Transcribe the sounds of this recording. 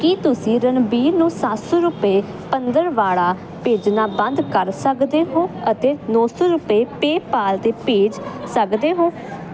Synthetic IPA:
kiːt̪ʊsĩːɾənbiːɾnũːsat̪sɔːɾʊpeː | pənd̪əɾʋaːɽaː | peːd͡ʒnaːbə̃nd̪kəɾsəkd̪eːɦoːət̪eːnɔːsɔːɾʊpeːpeːpaːlt̪eːpeːd͡ʒsəkd̪eːɦoː

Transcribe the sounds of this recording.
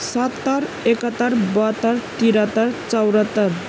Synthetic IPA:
sat̪ːaɾ | ɛkat̪aɾbat̪aɾt̪iɾat̪aɾt͡sawɾat̪aɾ

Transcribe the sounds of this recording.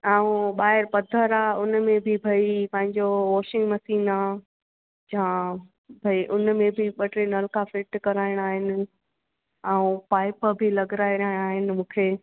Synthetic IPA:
aːũɓaːɦɪɾpɐd̪ʱəɾaːʊnmẽbʱɪbʱɐipɐ̃ɦɪ̃ɲd͡ʑoʋoːʃɪ̃ŋɡmɐsiːna | d͡ʑã | bʱɐiʔʊnmẽbʱiɓɐʈɾinɐlkafɪʈkɐɾaːɪɽ̃aːɦɪnɪ̆ | ɛ̃ũpaːɪpəbʱilɐɡɾaːiɾɐɦɪɽ̃aːɦɪnɪ̆mũːkʰeː

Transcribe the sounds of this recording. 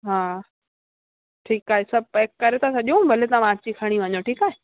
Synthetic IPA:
ɦaː | ʈʰiːkaːɦesɐb̚eːkːɐɾet̪ʰãsɐʄũbʱɐlet̪ãmãːt͡ɕikʰaɽ̃iʋɐ̃ɲoʈʰiːkaːɦe

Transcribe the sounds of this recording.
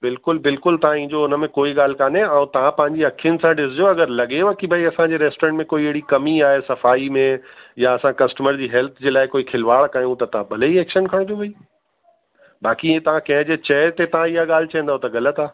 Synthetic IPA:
bɪlkʊlbɪlkʊlt̪ɐʋ̤ãĩːɲd͡ʑoʊnə̆mẽkoːiɠaːl̤kaːneãũt̪ɐʋ̤ãpɐ̃ɦɪ̃ɲd͡ʑiɐkʰijənɪ̆sãɖɪzd͡ʑoɐɡəɾlɐɠeʋakibʱɐiɐsãd͡ʑeːɾeːsʈoːɾẽɳʈmẽkoːieɦɪɽikɐmiaːɦesɐfaːimẽjaɐsãkɐsʈəməɾd͡ʑiːɦɛlt̪ʰd͡ʑeːlaːɪkoːikʰɪlʋaːɭkajũt̪ɐt̪ɐʋ̤ãbʱɐleieːkʃənkʰɐɽ̃d͡ʑ̪obʱɐi | baːkĩt̪ɐʋ̤ãkɐ̃ɦɪ̃d͡ʑet͡ɕɛːɾt̪et̪ɐʋ̤ãiɦaɠaːl̤ɪt͡ɕɐ̃n̆d̪aɦot̪ɐɡɐlət̪aː

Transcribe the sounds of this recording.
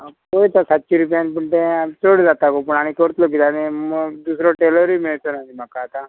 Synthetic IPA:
koit̪asat̪ːt͡ʃiɾupjanpəɳʈẽt͡soɽd͡zat̪akop̬əɳaɽ̃ik̪oɾt̪lok̬it̪anemd̪usɾɔʈeləɾimiɭt̪onaɦimakaːt̪a

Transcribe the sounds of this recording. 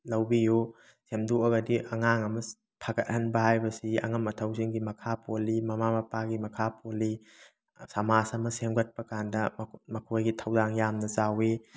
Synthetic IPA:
lɐwbiju | semduɐɡɐdiʔɐŋaŋɐmɐ | pʰaɡɐt̚hɐnbɐhajbɐsiɐ̰ŋɐmːɐtʰɐwziŋɡimɐkʰapʰolimɐmamɐpaɡimɐkʰapoli | sɐmasɐmɐsemɡɐt̚pɐkandɐmɐkʰojɡitʰɐwdaŋjamnɐzawi

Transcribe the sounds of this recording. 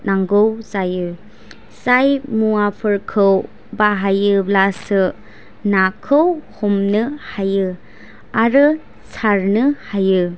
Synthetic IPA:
naŋɡowzajɯ | sajmuapʰɯɾkʰɯw | baɦajɯblasɯ | nakʰɯwhomnɯhajɯ | aɾɯ | saɾnɯhajɯ

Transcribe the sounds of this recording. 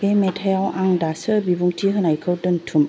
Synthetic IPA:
bemɛtʰajawʔaŋdasəbibuŋtʰiɦɯnajkʰɯwdɯntʰum

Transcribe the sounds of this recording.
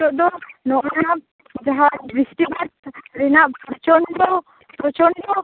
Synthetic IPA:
ɔʔd̪ɔnɔʔnaap̚ | d͡ʒaɦabisʈibɛt̪̚ɾɛnaʔpɔɾt͡ʃɔnd̪ɔ | pɾɔt͡ʃɔnd̪ɔ

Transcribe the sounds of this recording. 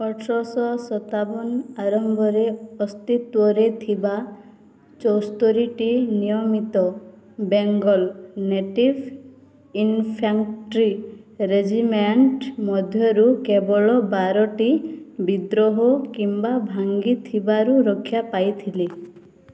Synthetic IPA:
ɔʈʰɾɔsɔsɔt̪abɔnaɾɔmbʱɔɾeɔst̪it̪uɔɾet̪ʰiba | t͡ʃɔwst̪ɔɾiʈinijɔmit̪ɔ | beŋɡɔlneʈib | inpʰaŋʈɾiɾed͡ʒimeɳʈmɔd̪ʱjɔɾukebɔɭɔbaɾɔʈibid̪ɾɔɦɔkimbabʱaŋɡit̪ʰibaɾuɾɔkʰːjapajt̪ʰile

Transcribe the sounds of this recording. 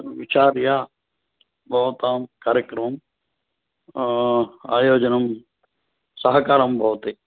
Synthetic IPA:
ʋɪt͡ʃaːɾjaː | bɔːt̪aːmkaːɾjəkɾmm | aːjoːd͡ʒənɐm | sɐɦkaːɾɐmbʱɔːt̪e

